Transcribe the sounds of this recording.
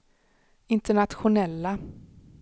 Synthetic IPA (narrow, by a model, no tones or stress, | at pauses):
ɪnt̪əɳat̪ɧʊnɛlːa